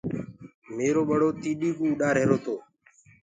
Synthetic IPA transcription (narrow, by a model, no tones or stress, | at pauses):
meːɾoːɓəɽoːt̪iːɗiːkũːɗaːɾɦeːɾoːt̪oː